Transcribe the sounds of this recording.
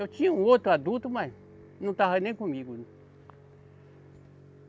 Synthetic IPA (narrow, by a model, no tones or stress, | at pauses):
at͡ʃĩũwot̪uad̪ut̪umã | nũt̪aɦanẽkũmbiɡʷunũ